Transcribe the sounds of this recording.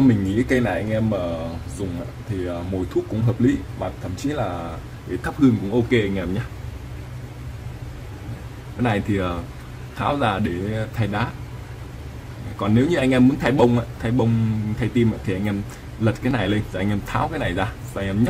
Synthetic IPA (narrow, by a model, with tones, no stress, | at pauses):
ə˧mï˨˩ŋ̟ːŋḭ˧˥˦kə˨˧jna˨˩jʔa˧jŋ̟ʔɛ˧mːəː˨˩zʊ˨˩ŋ͡mʔa̰ː˧˦t̪ʰi˨˩ʔəː˨˩mo̰˨˩jt̪ʰu˦˥ək̚ʊ̰˧˥ŋ͡mɦəː˨˩p̚li˨˦maː˨˩t̪ʰə̰˧˩mt͡ɕi˨˦laː˨˩ | ɗe˧˩t̪ʰa˦˥p̚hɨ˧əŋkʊ̰˧˥ŋ͡mʔo˧ke˧ʔa˧ŋ̟ʔɛ˧mɲaː˧˨ | kaː˨˦jna˨˩jt̪ʰi˨˩ʔəː˨˩ | t̪ʰaː˨˦wzaː˧˩ɗe˧˩t̪ʰa˧jɗaː˨˦˨ | kɔ˨˩nːe˨˦wɲɨ˧ʔa˧ŋ̟ʔɛ˧mːu˨˦nt̪ʰa˧jɓə˧wŋ͡mʔaː˧˨t̪ʰa˧jɓə˧wŋ͡mt̪ʰa˧jt̪i˧maː˧˨t̪ʰi˨˩ʔa˧jŋ̟ʔɛ˧m | lə˨˩t̚kaː˨˦jna˨˩jle˧nː˨˩ʔa˧ŋʔɛ˧mt̪ʰaː˨˦wkaː˨˦jna˨˩jzaː˧ | zaː˧˩ʔɛ˧mɲə˦˥t̚